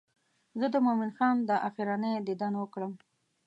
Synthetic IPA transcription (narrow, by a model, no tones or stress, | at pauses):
zəd̪əmominxɑnd̪əʔaxiɾɑnəjd̪ɪd̪ɑnwəkɽəm